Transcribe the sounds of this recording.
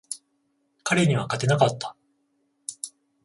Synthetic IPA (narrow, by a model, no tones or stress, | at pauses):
kaɾe̞ɲ̟iβ̞akat̪e̞nakat̪ːḁ